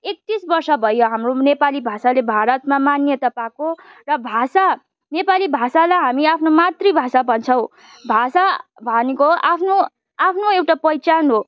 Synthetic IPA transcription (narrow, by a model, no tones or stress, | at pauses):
ek̚t̪isbʌrsʌbʱʌjoɦamronepalibʱasalebʱaɾʌt̪̚mamanjʌt̪ʌpãko | rʌbʱasa | nepalibʱasalaɦamiapʰnomat̪ribʱasabʱʌnt͡sʰʌw̃ | bʱasa | bʱʌnekoa̰pʰno | apʰnoewʈapʌjt͡sanɦo